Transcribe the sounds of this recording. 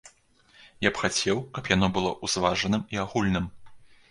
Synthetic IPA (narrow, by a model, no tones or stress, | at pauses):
japxat͡sʲɛwkɐpjanɔbɨlˠɔʔuzvaʐɐnɨmiaɣulʲnɨm